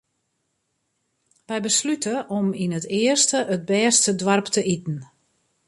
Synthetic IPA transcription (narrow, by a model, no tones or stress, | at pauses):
ʋɛjbəslytʰəʔɔminətɪərstəʔət̚bɛːrstədwarptəʔitn̩